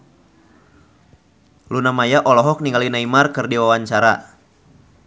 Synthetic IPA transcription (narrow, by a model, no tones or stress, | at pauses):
lunamajaʔɔlɔɦɔk̚niŋɡalinaimarkɨrdiwawaɲt͡ʃaɾa̰